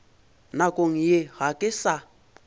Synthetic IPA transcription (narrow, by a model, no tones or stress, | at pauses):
nakʼoŋ̩jeɣakʼɪsa